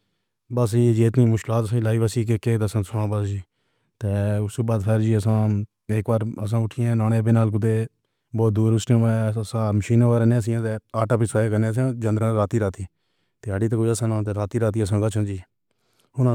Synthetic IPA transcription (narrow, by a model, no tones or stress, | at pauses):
bəs̬iːd͡ʒiːɪt̪niːmʊʃkɪlaːt̪əsãːlaːiːʋəsiːkekeːt̪əsãːsʊãːbəsd͡ʒiː | t̪eːʊsubaːd̪pʰɛːɾd͡ʒiːəsãː | eːkbaːɾəs̬ãːʊʈʰiːɛ̃ːnaːneːbenaːlk̬ʊd̪eː | bɔːt̪̚d̪uːɾʊsʈẽɛəsãːməʃiːnãːkaːɾeːnẽːəs̬ɪ̃ãːt̪eːaːʈaːpisaːekənẽəsãːd͡ʒənd̪ɾãːɾaːt̪iːɾaːt̪iː | t̪eːəɖiːt̪̬əkʊd͡ʒəsãːnãːt̪̬eːɾaːt̪iːɾaːt̪̬iːəsãːɡət͡ʃʰãːd͡ʒiː | ɦʊnã